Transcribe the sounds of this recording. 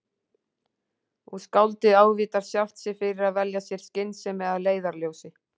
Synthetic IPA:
uskawlt̪ɪaːwviːt̪aɾ̥sjaft̪sɪfɪɾɪɾaðvɛljasjɛɾ̥scɪnːsɛmːɛðaðleːjðaɾljoːwsɪ

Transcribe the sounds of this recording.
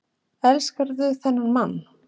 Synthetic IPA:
ɛlskaɾðʏθɛnːaɾmanː

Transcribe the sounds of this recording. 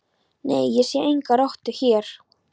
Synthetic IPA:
nḛjjɛsjɛʔejŋkaɾɔht̪ʏçjɛɾ̥

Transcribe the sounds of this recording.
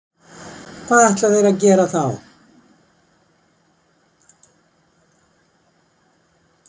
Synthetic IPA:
kʰvaːðɛht̪laveːjɾacɛːɾaθaw

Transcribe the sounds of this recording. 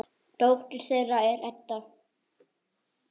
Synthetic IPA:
t̪owft̪ɪɾ̥θejraɛɾɛt̪ːa

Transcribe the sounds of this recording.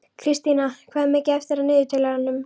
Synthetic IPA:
kʰɾɪst̪inakʰvaðɛmːɛcɪɛft̪ɪɾanɪːðɪt̪ʰɪlaanːʏm

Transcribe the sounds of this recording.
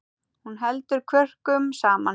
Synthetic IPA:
hunɦɛlt̪ʏɾkʰvœr̥kʏmsaːman

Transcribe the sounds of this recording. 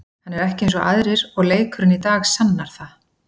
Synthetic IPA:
hanːɛɾɛhcɪẽjnsɔʔa̰ðɾɪɾɔɣleːjkʰʏɾʏnit̪aːɣsanːaɾ̥θa

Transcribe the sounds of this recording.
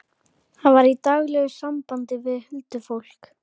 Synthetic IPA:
hanvaɾit̪aɣlɛɣʏsampant̪ɪvɪðhʏlt̪ʏfowl̥k

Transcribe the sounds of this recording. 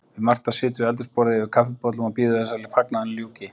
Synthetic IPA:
vɪðmar̥t̪asɪːt̪̬ʏɾɛlt̪ʏspɔːɾɪðɪɪɾkʰafɪpɔt̪lʏmapiːðʏðɛsalɪfaknaðanljuːcɪ

